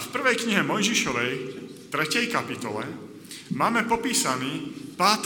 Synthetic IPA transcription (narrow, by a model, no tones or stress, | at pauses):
fpr̩ʋɛjkɲiɦɛmɔjʒiʃɔʋɛj | t̪ɾɛcɛjkapit̪ɔlɛ | maːmɛpɔpiːsaniːpaːt̪